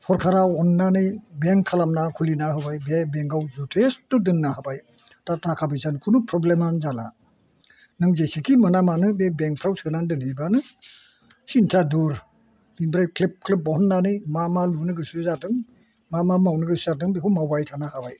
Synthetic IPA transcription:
hʰɔɾkʰaɾaɔnːanɯjbeŋkʰːalamnakʰulinaɦɯbajbebeŋɡawzutʰestudɯnːaɦabaj | tatakʰabɯjzankʰunupʰɾɔblemanzala̰ | nɯŋzesikʰimɯnamanɯbebeŋ̚pʰɾawsɯnandɯnɯjbanɯ | sintʰaduɾ | binbɾajkʰlip̚kʰlip̚bɔhɔnːanɯjmamalunɯɡɯsɯzadɯŋ | mamamawnɯɡɯsuzadɯŋbekʰumawbajtʰanahabaj

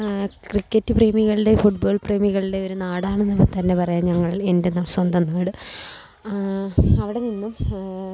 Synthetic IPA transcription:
krikːɐtːɨpreːmiɣɐɭide̞fuʈbo̞ːɭpreːmiɣɐɭiɽeoɾunaːɽaːɳenːɐpːoɭt̪ɐnːe̞pɐrɐjaɲɐŋːɐɭe̞nde̞nɐswɐnd̪ɐnːaːɽɨ | ɐʋiɽe̞ninːum

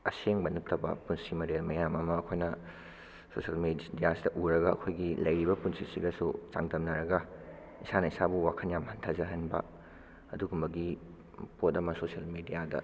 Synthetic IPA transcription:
ɐseŋbɐnutːɐbɐ̰punsimɐdelmɐjamɐmɐːkʰojnɐ | sosɐlmidijasidɐʔuɾɐɡɐɐ̰kʰojɡilɐjɾibɐpunsisiɡɐsṵt͡ʃa̰ŋtɐmnɐɾɐɡɐ | isanɐisabuwakʰɐnjamhɐntʰɐzɐɦɐnbɐ̰ | ɐduɡumbɐɡi | potɐmɐsosiɐlmidijadɐ̰

